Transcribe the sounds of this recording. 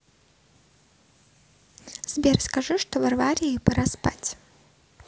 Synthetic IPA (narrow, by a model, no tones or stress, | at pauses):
z̥bʲerskaʐɨʂt̪ovɐrvaɾʲijpɐɾaspa̰tʲ